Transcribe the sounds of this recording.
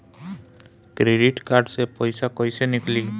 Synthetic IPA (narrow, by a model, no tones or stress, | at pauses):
kɾeɖiʈkaɾɖsepɔjsakɔjsenikli